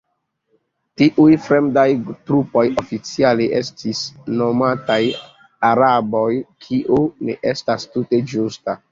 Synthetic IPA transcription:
tiʔujfɾemdajtɾupo̞jofit͡sialeʔestisnomataj | aɾabojkʰiʔunḛʔestastuted͡ʒusta

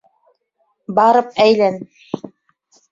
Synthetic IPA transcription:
bɑɾɤp̚æjlæn

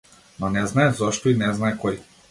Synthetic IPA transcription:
nɔnɛznaɛzɔʃt̪ɔinɛznaɛkɔj

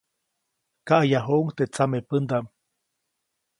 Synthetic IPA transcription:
kaʔajaɦoŋt̪et͡samepənd̪am

